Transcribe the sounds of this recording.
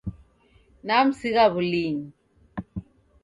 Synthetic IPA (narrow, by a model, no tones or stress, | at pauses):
nam̩siɣaβuliŋ